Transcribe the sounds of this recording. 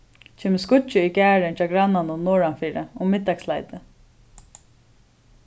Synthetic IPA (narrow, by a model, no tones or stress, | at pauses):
t͡ʃʰɛːməskʊt͡ʃːɪikæːɹɪnt͡ʃʰaːɡɾanːanʊnnːɔːɹanfiːɾɪʊmɪt̪ːakslajt̪ɪ